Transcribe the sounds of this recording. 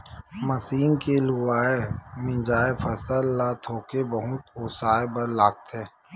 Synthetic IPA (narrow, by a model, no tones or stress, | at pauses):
mɐsiːnkelʊʋaːemɪ̃d͡ʒaːefʰɐsəlːat̪ʰoːkebɐɦʊt̪oːsaːebɐɾlaːk̚t̪ɦɛ̃ː